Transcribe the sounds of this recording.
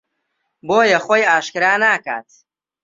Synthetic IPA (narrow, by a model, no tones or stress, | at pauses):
boːjɐχʷojaːʃkɨɾaːnaːka̰ːt̪̚